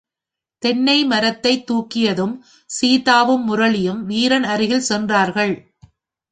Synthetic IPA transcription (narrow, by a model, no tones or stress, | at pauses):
t̪ɛnːɐɪmɐɾɐt̪ːɐɪt̪ːuːkːɪjɐðɯm | siːðaːʋɯmːʊɾɐɭɪjɯmʋiːɾɐnɐɾɪɣɪlsɛndraːɾɣɐɭ